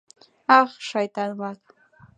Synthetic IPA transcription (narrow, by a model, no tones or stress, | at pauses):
ɑχʃajt̪aŋmak